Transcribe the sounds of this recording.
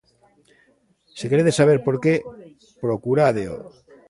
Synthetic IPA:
sekeɾeðesaβ̞eɾpo̞ɾke | pɾokuɾaðeo̰

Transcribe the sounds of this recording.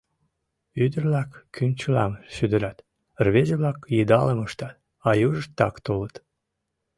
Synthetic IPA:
yd̪ərlɑkːymt͡ɕəlɑ̰mʃyd̪əɾɑt̪ | ərβezeβlɑkjid̪ɑləməʃt̪ɑt̪ | ɑjuʒəʃt̪ːɑkt̪olət̪

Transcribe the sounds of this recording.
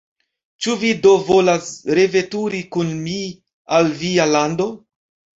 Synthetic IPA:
t͡ʃuvido̞vo̞lasɾe̞ve̞tuɾikunmi | alvialando̞

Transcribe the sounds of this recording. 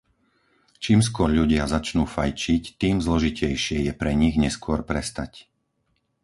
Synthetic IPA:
t͡ʃiːms̬kʊɔɾʎuɟɪazat͡ʃnuːfajt͡ʃict̪iːmzlɔʒicɛjʃɪɛjɛpɾɛɲiɣɲɛskʊɔɾpɾɛst̪ac

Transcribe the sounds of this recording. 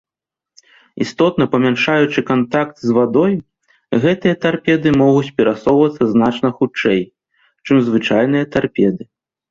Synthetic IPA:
ḭst̪ɔt̪̚nɐpɐmʲanʂajut͡ʂɨkant̪akt̪zvad̪ɔj | ɣɛt̪ɨjɐt̪arpʲɛd̪ɨmɔɣut͡sʲpʲɛɾasɔwvɐt̪sːɐznat͡ʂnɐxut͡ʂɛj | t͡ʂɨmzvɨt͡ʂajn̪ɨjɐt̪arpʲɛd̪ɨ

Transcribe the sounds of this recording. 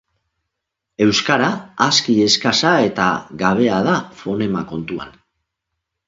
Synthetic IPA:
e̞wskaɾaːskie̞skasae̞t̪a̰ɣaβ̞e̞að̞afo̞ne̞mako̞nt̪ua̰n

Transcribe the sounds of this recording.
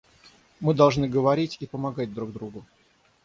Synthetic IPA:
mɨd̪ɐlˠʐnɨɡəvɐɾʲitʲipəmɐɡad̚ʲd̪ɾuɡ̚d̪ɾuɡʊ

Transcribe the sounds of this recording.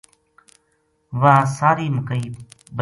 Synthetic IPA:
ʋãsaːɾiːməkəiː | bə

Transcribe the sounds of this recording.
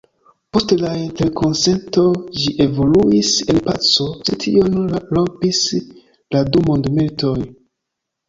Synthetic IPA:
po̞stlainte̞ɾkʰo̞nse̞nto̞d͡ʒiʔe̞vo̞luise̞npa̰t͡so̞t͡ʃetʰḭo̞nlopis | ladumo̞ndmiltʰo̞j

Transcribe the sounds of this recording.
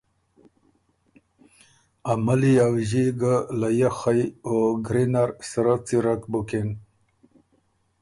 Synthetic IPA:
amaliawʑiɡalajaxajoɡɾinaɾsəɾat͡siɾakbukin

